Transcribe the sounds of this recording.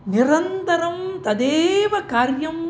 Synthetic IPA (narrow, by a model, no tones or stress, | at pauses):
niɾɐnt̪ɐɾɐmt̪ɐd̪eːʋɐkaːɾjɐm